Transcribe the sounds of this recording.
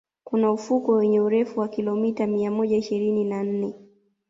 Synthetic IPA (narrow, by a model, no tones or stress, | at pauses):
kunaufukɔwɛɲɛuɾɛfuwakilɔmitamiamɔʄaiʃiɾininan̩nɛ